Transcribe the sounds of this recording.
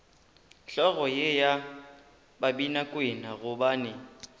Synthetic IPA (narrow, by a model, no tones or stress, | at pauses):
ɬɔɣɔjeja | babinakʼwɪnaɣʊbaːnɪ